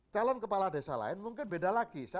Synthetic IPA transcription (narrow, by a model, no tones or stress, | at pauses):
t͡ʃalɔnkəpaladesa̰la̰ɪnmuŋkɪnbedalaɡisa